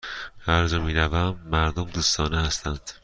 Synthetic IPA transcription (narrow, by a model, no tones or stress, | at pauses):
æɾzomiːɾævæmːæɾd̪omd̪uːst̪ʰɒːnehæst̪ʰænd̪̥